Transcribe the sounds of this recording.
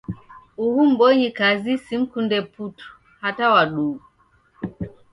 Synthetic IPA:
uhum̩bɔɲikazisim̩kundɛputu̥ | hatawaɗu

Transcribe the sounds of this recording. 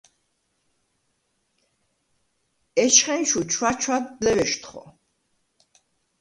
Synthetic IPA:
ɛʃχɛnʃut͡ʃʰwat͡ʃʰwad̪lɛvɛʃt̪χɔ̰

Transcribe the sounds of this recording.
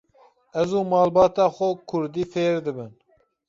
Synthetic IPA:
ɛzuːmɑːlbɑːt̪ɑːxɛkʰʊɾd̪iːfeːɾd̪ɨbɨn

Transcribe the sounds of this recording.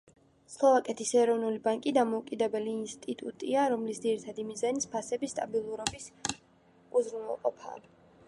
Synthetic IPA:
slˠɔvakʼɛt̪ʰisɛɾɔvnulibaŋkʼid̪amɔukʼid̪ɛbɛliːnst̪ʼit̪ʼṵt̪ʼiaɾɔmlisd̪ziɾit̪ʰad̪imizanispʰasɛbist̪ʼabilˠuɾɔbis | uzɾunɛ̰lˠqʼɔpʰa̰ː

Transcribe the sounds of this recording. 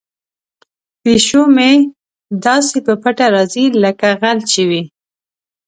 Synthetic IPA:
peʃome | d̪ɑsepəpəʈaɾɑziləkaɣalt͡ʃiwi

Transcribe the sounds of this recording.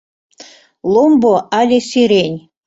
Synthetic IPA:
lˠomboʔalʲesiɾenʲ

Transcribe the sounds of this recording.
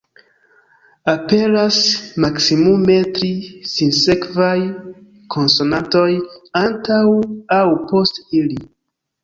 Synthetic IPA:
ape̞lasmaksimume̞tɾisinse̞kvaj | kʰo̞nso̞nato̞jantawawpo̞stili

